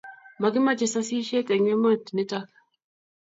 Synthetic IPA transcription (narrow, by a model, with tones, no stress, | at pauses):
ma˨ɡɪ˦ma˦d͡ʒɛ˨sa˦si˦ʃe˦tɛ˨ɲwe˦mə˦tnɪ˦ta˦k